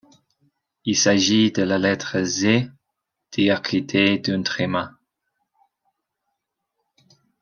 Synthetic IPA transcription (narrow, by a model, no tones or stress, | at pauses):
ilsaʒid̪əlalɛt̪χəze | d̪̥iakʰit̪ʰed̪ỹnt̪χemã